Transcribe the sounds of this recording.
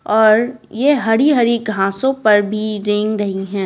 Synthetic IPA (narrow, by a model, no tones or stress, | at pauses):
ɔːɾjeɦɐɾiɦɐɾiɡʱãːsõpɐɾbʱiɾẽŋɡɾɐɦiɦɛ̃ː